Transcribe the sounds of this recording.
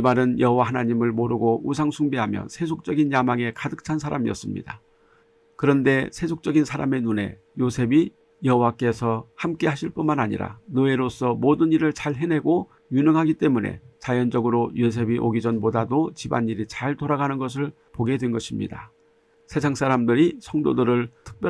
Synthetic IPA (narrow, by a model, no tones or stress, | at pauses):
imaɾɯnjʌɦowahanaɲimɯɭmoɾɯɡous̬ʰaŋsʰuŋbiɦamjʌ̰sʰe̞s̬ʰok̚t͡ɕ͈ʌɡinjamaŋe̞kadɯk̚tʰansʰaɾamiʌ̰s͈ɯmɲḭd̥a | kɯɾʌnde̞sʰe̞sʰok̚t͡ɕ͈ʌɡinsʰaɾa̰me̞nune̞ | josʰe̞bi | jʌɦowak͈e̞sʰʌhamk͈e̞ɦaɕʰiɭp͈unmanaɲḭɾa̰nɯeɾos͈ʌmodɯniɾɯɭt͡ɕaɭɦene̞ɡo | juɲʌŋɦaɡit͈e̞mune̞̰t͡ɕajʌnd͡ʑʌɡɯɾojos̬ʰe̞biʔoɡid͡ʑʌnpodadot͡ɕiba̰niɾit͡ɕaɭtoɾaɡanɯnɡʌs̬ʰɯɭ | poɡe̞dwe̞nɡʌɕʰimɲḭda | sʰe̞s̬ʰaŋs͈aɾamdɯɾisʰʌŋdodɯɾɯɭtʰɯ̥k̚p͈jʌ